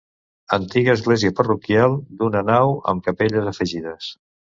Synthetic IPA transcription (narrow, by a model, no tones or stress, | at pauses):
ənt̪iɣəːzɣlɛziəpərukjalˠd̪unənawə̰mkəpeʎəzəfəʒiðəs